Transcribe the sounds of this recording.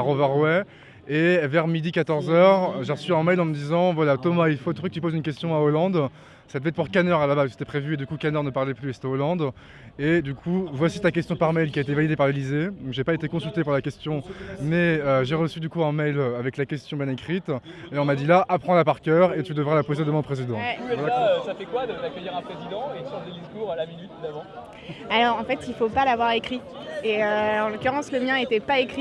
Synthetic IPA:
aʁɔvɛʁwɛ | evɛʁmid̪ikat̪ɔʁzœʁʒeʁəsyɛ̃mɛjlɑ̃məd̪izɑ̃vwalat̪ɔmailfot̪ʁøkət̪ypozynkʲɛst̪jɔ̃aolɑ̃d̪ | sad̪əvɛt̪̚puʁkanœʁalabazse̥t̪ɛpχevyed̪ykukanœʁnəpaʁlɛplyesɛt̪ɛolɑ̃d̪ | ed̪ykʰuvwasit̪akʲɛst̪jɔ̃paʁmɛjlkʲiaet̪evalid̪epaʁlelized̪ɔ̃kʒepaet̪ekɔ̃sylt̪epuʁlakʲɛst̪jɔ̃mɛøʒeʁəsyd̪ykuɛ̃mɛjlavɛklakʲɛst̪jɔ̃bjɛ̃nekχit̪eɔ̃mad̪ilaʔapχɑ̃lapaʁkʲœːʁet̪yd̪əvʁalapozed̪əmɛ̃pχezid̪ɑ̃ɛvalaøsafɛkwad̪əd̪akʲəjiʁɛ̃pχezid̪ɑ̃ed̪sɔ̃d̪əd̪iskuʁlaminyt̪d̪avɑ̃ | alɔʁɑ̃fɛt̪ilfopalavwaʁekχi | eøɑ̃lɔkʲyʁɑ̃sləmjɛ̃et̪ɛpaekχi

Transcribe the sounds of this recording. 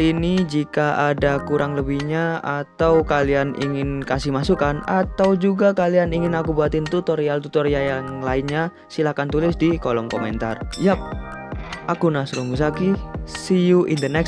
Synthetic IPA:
inid͡ʒikaʔadakuɾʔaŋləbihɲaat̪awkalianḭŋɪnkasɪhmasukanat̪awd͡ʒuɡakalianiŋɪnakubuat̪ɪnt̪ut̪ɔɾialt̪ut̪ɔɾijajaŋlaɪnɲa | silakant̪ulɪsdikɔlɔmkɔmɛ̰nt̪a̰rjap̚ | ʔakunasuɾuŋɡus̬akisijuʔindənɛk

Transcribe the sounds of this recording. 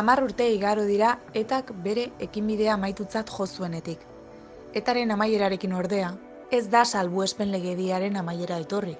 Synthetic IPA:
amaruɾt̪e̞iɣaɾoð̞iɾae̞t̪akbe̞ɾe̞ːkimbiðe̞amajt̪ut͡sat̪ʝo̞sue̞ne̞t̪ik | e̞t̪aɾe̞namaje̞ɾaɾe̞kino̞ɾðe̞a | e̞zd̪asalβue̞spe̞nle̞ɣe̞ðiaɾe̞namaje̞ɾae̞t̪o̞ri

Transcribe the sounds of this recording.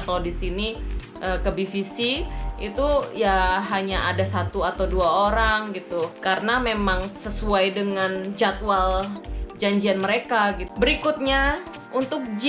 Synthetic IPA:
t̪awdisini | ʔəkəbifisiit̪ujaɦaɲaʔadasat̪uat̪awduaoɾaŋɡit̪ukaɾənamemaŋsəsuajdəŋand͡ʒat̪wald͡ʒaɲd͡ʒianməɾekaɡit̪bəɾikʊt̪̚ɲa | unt̪ʊk̚d͡ʒ

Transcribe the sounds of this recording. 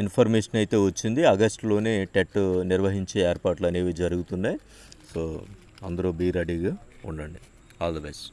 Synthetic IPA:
inpʰɐɾmeːʂɐnɐjt̪e̞ːʋɐt͡ʃːind̪iɐɡɐsʈlo̞ːneːʈeʈːniɾɐʋɐɦiɲt͡ʃeːeːɾpaːɾʈluɐneːʋiːd͡ʒɐɾuɡut̪unːaːj | soː | ɐnd̪ɐɾoːbiːɾɐɖiːɡaːuɳɖɐɳɖi | aːld̪ɐʋesʈ

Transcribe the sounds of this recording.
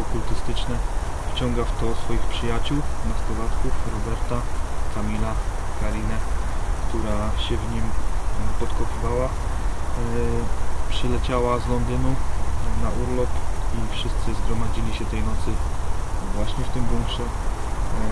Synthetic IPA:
ɔkult̪ɘst̪ɘt͡ʂnɛ | ft͡ɕɔŋɡaft̪ɔsfɔjixpʂɘjat͡ɕuwnast̪ɔvat̪kufɾɔbɛɾt̪akamʲilakaɾʲinɛkt̪uɾaɕɛvɲimpɔt̪kɔpɘvawa | pʂɘlɛt͡ɕawazlɔnd̪ɘnunaʔuɾlɔpifʂɘst̪sɘzɡɾɔmad͡ʑilʲiɕɛt̪ɛjnɔt̪sɘ | vwaɕɲɛft̪ɘmbuŋkʂɛ

